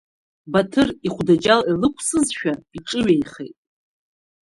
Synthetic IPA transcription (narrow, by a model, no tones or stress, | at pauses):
batʰɨriχʷdad͡ʒalilɨkʷʰʼsɨzʃᶣaiʈ͡ʂʼɨɥejχḛjtʼ